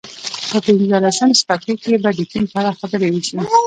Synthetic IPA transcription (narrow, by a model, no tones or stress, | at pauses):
pəpɪnzəlasəmspakekebad̪ikimpaɾaxabəɾewiʃi